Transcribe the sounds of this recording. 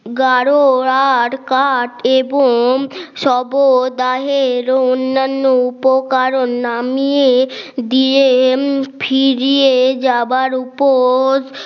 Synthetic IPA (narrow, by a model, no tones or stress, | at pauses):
ɡaɾoɾaɽkaʈeboŋʃɔbod̪aɦeɾoonːanːoupokaɾonːamied̪ie | fʰiɾied͡ʑabaɾupo